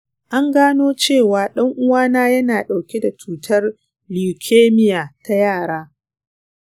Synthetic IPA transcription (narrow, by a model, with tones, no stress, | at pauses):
ʔa˦ŋɡaː˦noː˦t͡ʃeː˦˨waː˨ɗɐ˦ŋʔʊ˦waː˦naː˦jɐ˦naː˨ɗa˨wkʲe˦da˨t͡ʃuː˦tʰɐ˦r | li˨kʲʰeː˦mɪ˦jaː˨ta˦jaː˦˨ɽaː˦